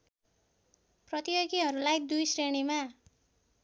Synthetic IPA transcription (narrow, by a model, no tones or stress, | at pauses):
prʌt̪ijoɡiɦʌɾulajd̪ujsreɽima